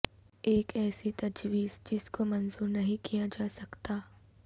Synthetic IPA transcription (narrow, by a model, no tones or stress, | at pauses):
eːkɛːsit̪ɐd͡ʒʋiːzd͡ʒɪskomɐnzuːɾnɐɦĩkijad͡ʒaːsɐkt̪aː